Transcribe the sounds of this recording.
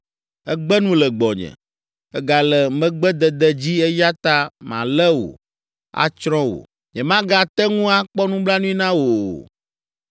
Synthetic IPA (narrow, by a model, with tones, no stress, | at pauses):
ɛ˦ɡ͡bɛ˦nũ˦lɛ˨ɡ͡bɔ˨ɲɛ̰̃˨ | ɛ˦ɡa˨lɛ˨mɛ̃˦ɡ͡bɛ˦d̪ɛ˨d̪ɛ˨d͡ʑi˦ɛ˦ja˦t̪a˦mã̰˨lɛ˦wo̰˨ | a̰˦t͡ʃɾɔ̃˦wo̰˨ | ɲɛ̃˨mã˦ɡa˨t̪ɛ˦ŋũ˦a˦k͡pɔ˦nũ˦bla˦nũ˦i˦nã˦woo˨